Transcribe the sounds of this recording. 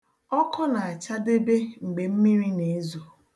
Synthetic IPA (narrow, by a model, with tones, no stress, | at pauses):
ɔ˦kʰɔ˦na˨a˨t͡ʃa˦de˦be˦ŋ͡m̩˨ɡ͡be˨m̩˦mi˦ɾi˦ne˨e˦zo˨